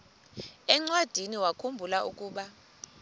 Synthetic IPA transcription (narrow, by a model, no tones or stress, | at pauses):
ɛŋ͡ǀwad̥ʱiniwakʰumbʱulaʔukʼuːɓa